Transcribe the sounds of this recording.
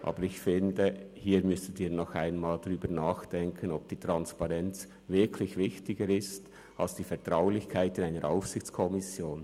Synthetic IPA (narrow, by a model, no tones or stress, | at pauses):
ʔa̰ːbəɾɪçfɪndə | hiːɾmʏstudiːɾnɔxa̰ɪnmaːldaʁyːbəɾnaːxd̥ɛŋkʰənɔb̚d̥iːtʁ̥ɑnspɑʁɛnt͡s | vɪɐkʰlɪçvɪçtɪɡəɾɪst | ʔalsd̥iːfɛɾtʁ̥aʊlɪçkʰaɪtɪnaɪnəɾʔa̰ʊfsɪçt͡skʰɔmɪsjoːn